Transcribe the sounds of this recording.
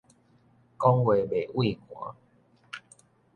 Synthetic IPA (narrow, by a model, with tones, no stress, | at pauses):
kɔ˦ŋwe˨be˨˩ʔwi˥˨kwã̰˨˦